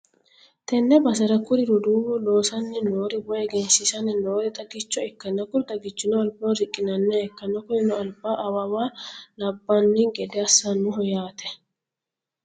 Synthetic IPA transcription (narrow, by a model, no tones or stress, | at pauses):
t̪ɛnːɛbɐsɐɾɐkʊɾɪɾʊd̪uːwɔlo̞ːsɐnːɛnoːɾɪbɔjɛɡɛnsɪsɐnːɛnoːɾɛt̪ʼɐɡɪt͡ʃːɔɛkːɐnːɐkʊɾd̪ɐɡɪt͡ʃːɪnɔɐlboːɾɪkʼːɪnɐnːɛɛkːɐnɐkʊjɪnɔɐlbaːʔɐwɐwaːnɐbːɐnːɪɡɛd̪ɛɐsːɐnːʊɦɔjaːt̪ɛ